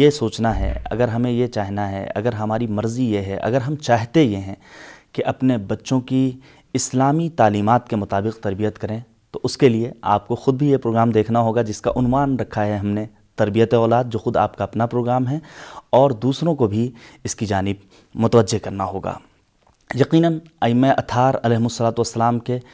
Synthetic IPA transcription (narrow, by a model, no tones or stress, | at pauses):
jesoːt͡ʃnaɦɛ̰ɐ̰ɡəɾɦɐmẽjet͡ʃaːɦnaɦɛ̰ɐ̰ɡəɾɦɐmaːɾimɐɾzijeɦɛ̰ʔɐ̰ɡəɾɦɐmt͡ʃaːɦt̪ejeɦɛ̃keʔɐpnebɐtːʃõki | ɪslaːmit̪aːliːmaːt̪̚kemʊt̪aːbɪqt̪ɐɾbijət̪kɐɾẽ | t̪oʔʊskeliea̰ːp̚koxʊd̪̚bʱijepɾoːɡɾaːmd̪eːkʰnaɦoːɡad͡ʒɪskaʔʊnʋaːnɾɐkʰaɦɛɦɐmne | t̪ɐɾbijət̪eɔːlaːd̪̚d͡ʒoːxʊd̪a̰ːp̚kaɐpnapɾoːɡɾaːmɦɛɔːɾd̪uːsɾõkobʱiɪskid͡ʒaːnɪb | mʊt̪əʋəd͡ʒːekɐɾnaɦoːɡa̰ː | jɐqiːnənaːɪmːeʔɐt̪ʰaːɾɐlɛːɦmʊsːɐlaːt̪uʋɐsːɐlaːmke